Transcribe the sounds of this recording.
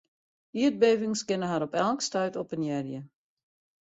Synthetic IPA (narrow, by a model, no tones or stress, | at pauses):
iət̚beːvɪŋskɪnəɦaɾɔpɛlˠkstœɥtɔpənjɛrjə